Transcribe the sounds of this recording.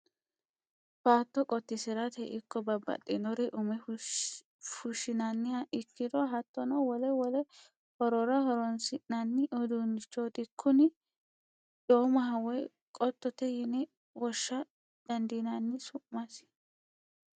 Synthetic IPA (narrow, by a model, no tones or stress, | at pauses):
faːt̪ːɔkʼɔt̪ːɪsɪɾɐt̪ɛʔɪkːɔbɐbːɐ̰t̪ʼːɪnɔɾɛʔʊmɛ | fʊʃɪnɐnːɪjaʔɪkːɪd̪ɔɦɐt̪ːɔnɔwɔlɛwɔlɛ | hɔɾɔɾɐhɔɾɔnsɪʔnɐnːɪʔɔd̪unɪt͡ʃːoːt̪ɪkʰːʊnɪ | doːmɐɦɐwɔj | kʼɔt̪ːɔt̪ɛjɪnɛ | wɔʃːɐ | d̪̥ɐnd̪ɪnanːɪsʊʔmɐs